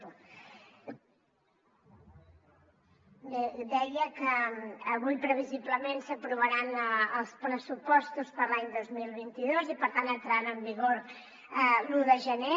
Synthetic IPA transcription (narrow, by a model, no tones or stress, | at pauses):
ed̪ɛjəkəːβujpɾəβiziβləmẽnsəpɾuβəɾanəlˠspɾəsupɔst̪uspəɾlaɲd̪ozmilˠβ̞int̪iðozipəɾt̪ant̪ənt̪ɾanəmbiɣoɾ | luðəʒəne